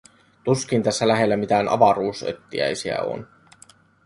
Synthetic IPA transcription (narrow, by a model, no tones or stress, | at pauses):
t̪usk̟int̪æsːælæɦe̞lːæmit̪æːnʔɑ̰ʋɑɾuːsø̰t̪ːiæ̰jsiæ̰o̞̰n